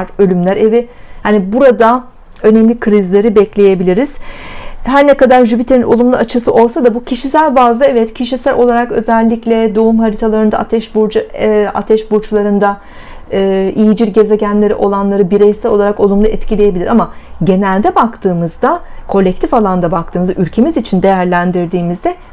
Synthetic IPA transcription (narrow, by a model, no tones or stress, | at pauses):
ɾø̞lʲymlʲæɾevi | hanibuɾad̪a | ø̞nɛmlʲikʰɾizlʲe̞ɾibɛclʲe̞jebilʲiɾiz̥ | ɦæɾnɛkad̪aɾʒybit̪ʰenino̞lˠumlˠuat͡ʃʰɯsɯʔo̞lˠsad̪abucʰiʃisælʲbaːzlˠaɛvɛt̪cʰiʃisælʲo̞lˠaɾakø̞̰zɛlʲːiclʲɛd̪o̞umɦaɾit̪ʰalˠaɾɯnd̪a̰at̪ʰɛʃbuɾd͡ʒa̰t̪ʰɛʃbuɾt͡ʃlˠaɾɯnd̪aː | ʔijid͡ʒiɾɟe̞ze̞ɟænlʲe̞ɾiʔo̞lˠanlˠaɾɯbiɾɛjsɛo̞lˠaɾako̞lˠumlˠaɛt̪cʰilʲeje̞bilʲiɾʔamaɟe̞nælʲd̪ɛbakt̪ʰɯːmɯzd̪akʰo̞lʲːɛc̚t̪ʰifalˠand̪abak̚t̪ʰɯːmɯza̰yɾʲcʰe̞mizit͡ʃʰind̪e̞jæɾlʲænd̪iɾd̪iːmizd̪ɛ